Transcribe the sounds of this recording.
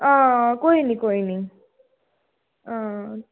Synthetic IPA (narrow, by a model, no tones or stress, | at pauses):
ʌ̃koinikoini | ʌ̃